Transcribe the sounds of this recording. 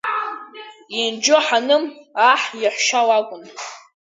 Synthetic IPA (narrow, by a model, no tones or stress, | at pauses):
ind͡ʒoħanɨmaħjaħʷʃawakʷʼʊn